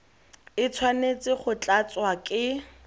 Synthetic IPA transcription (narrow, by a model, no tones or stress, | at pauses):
ɪt͡sʰwanet͡sʼɪχʊt͡ɬʼat͡swakʼɪ